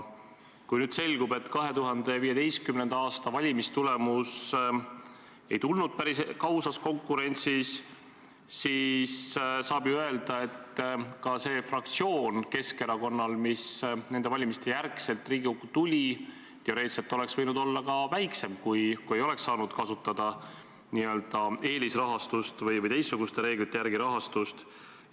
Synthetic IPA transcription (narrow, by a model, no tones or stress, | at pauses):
kujnyːd̪̥se̞lɡube̞t̪ːˑkɑɦe̞t̪uɦɑnd̪̥e̞viːje̞t̪e̞jstkymne̞nd̪̥ɑɑːst̪ɑvɑlʲimist̪ule̞mus | e̞̰jt̪ulnud̪̥̚pæɾiskɑwsɑsko̞ŋkːˑuɾe̞nʲt̪sisː | iːssɑːb̥juø̞eld̪̥ɑe̞t̪kɑse̞ːfrɑkt̪sio̞ːnke̞ske̞ɾɑko̞nːɑlmisne̞nd̪e̞vɑlʲimist̪e̞jærkselt̪ːˑriːɡ̥iukːut̪ulʲi | t̪eoɾe̞ːt̪set̪ːˑo̞le̞ksvɤjnud̪o̞lːɑkɑvæjkse̞mkujkue̞jo̞le̞ksːɑːnud̪̥kɑsut̪ːˑɑd̪̥ɑ | niø̞ld̪̥ɑe̞ːlisrɑɦɑst̪ust̪vɤjvɤjt̪e̞jsːuɡ̥ust̪e̞ɾe̞ːɡlit̪ːˑejæɾɡ̥iɾɑɦɑst̪ust̪